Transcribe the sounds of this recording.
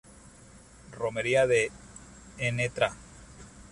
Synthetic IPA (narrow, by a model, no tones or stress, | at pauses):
romeɾiaðe | enet̪ɾa